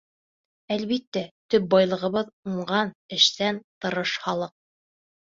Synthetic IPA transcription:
ælβit̪ːæt̪ɵp̚bɑjlˠɤ̆ʁɤ̆βɤðuɴɢɑnɘ̆ʃsænt̪ɤ̆ɾɤʃhɑlˠɤq̚

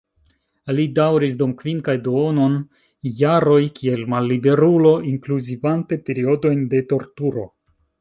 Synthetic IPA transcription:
lidawɾis̬dumkviŋkajdoono̞n | jaɾo̞jkʰie̞lmalːibe̞ɾulo̞iŋkluzivante̞pe̞ɾio̞do̞jnde̞to̞ɾtuɾo̞̰

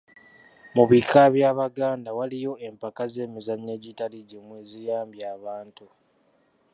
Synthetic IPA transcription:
muβikʰaβjaːβaɡaːndawalijo̞e̞mpakaze̞ːmuzaɲːe̞ːɟitaliɟemweːzijaːmbjaːβaːntu

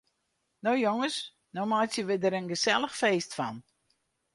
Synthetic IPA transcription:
nowjoŋəs | nomajtjəʋɪdəɾənɡəsɛlˠəxfeːstfɔn

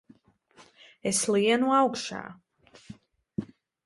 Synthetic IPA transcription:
ɛsliɛnuawkʃa̰ː

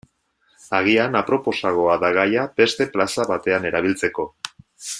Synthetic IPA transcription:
aɣ̞ianapɾo̞po̞saɣo̞aðaɣajabe̞st̪e̞plasaβat̪e̞ane̞ɾaβ̞ilt͡se̞ko̞

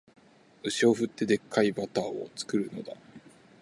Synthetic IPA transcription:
ɯ̟ɕio̞ɸɯ̟t̪ːe̞d̪e̞kːaibat̪aːo̰t͡sɨ̥kɯ̟ɾɯ̟no̞̰d̪a

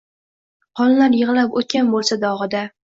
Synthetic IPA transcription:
qʰɒlˠlaɾjɨʁɨlapot̪̚kʲanbolˠsad̪ɒʁɨd̪a

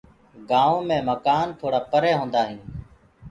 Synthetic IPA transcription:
ɡaːʋõːmẽːməkaːnt̪ʰoːɽaːpəɾeːɦõːnd̪aːɦɪːn

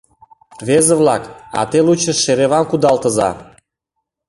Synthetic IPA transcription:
βezeβlɑkɑ̰t̪elut͡ɕə̆ʃeɾeβɑmkud̪ɑlt̪ə̆zɑ̰

